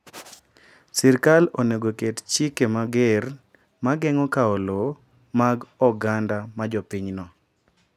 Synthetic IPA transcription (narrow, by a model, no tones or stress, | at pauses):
siɾkaloneɡokett͡ʃikemaɡɪr | maɡɛŋɔkaolo | maɡɔɡandamad͡ʒɔpiɲnɔ